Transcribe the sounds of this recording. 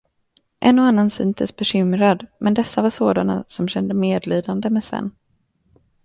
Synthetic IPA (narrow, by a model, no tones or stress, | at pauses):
ʔɛnːɔanːansy̰ːnt̪ʰə̰sbɛɕʏmɾad̪mʔɛnd̪ɛsːavaʂoːd̪ana̰sɔmɕɛnd̪əmeːd̪liːd̪and̪əmɛsvɛ̰nː